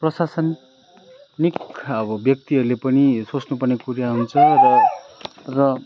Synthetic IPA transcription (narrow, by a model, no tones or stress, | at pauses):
prʌsasʌn | nikʌbʌbjʌk̚t̪iɦʌɾulepʌnisot͡snupʌrnekuɾjaɦunt͡sʰʌrʌ | rʌ